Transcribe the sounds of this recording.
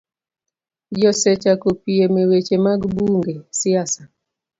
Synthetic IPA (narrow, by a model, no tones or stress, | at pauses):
d͡ʒɔset͡ʃakopiemewet͡ʃemaɡbuŋɡesiasa